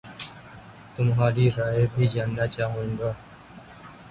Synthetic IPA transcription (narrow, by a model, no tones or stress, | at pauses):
t̪ʊmɦaːɾiːɾaːeːbʱiːd͡ʒaːnːaːt͡ʃaːɦũːŋɡaː